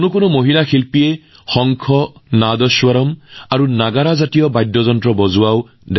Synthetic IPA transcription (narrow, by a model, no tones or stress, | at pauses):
nʊkʊnʊmoɦilaxilpijɛ | xɔŋkʰɔnadɔswaɾɔmaɹunaɡaɹazatijɔbajdːɔzɔntɹɔbɔzuaw | d